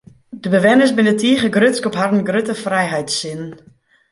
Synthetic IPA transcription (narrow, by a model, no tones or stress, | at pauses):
dəbəʋɛnəsbɪnətʰiəχəɡrøtskɔpharn̩ɡrøtəfrɛjɦɛjtsɪn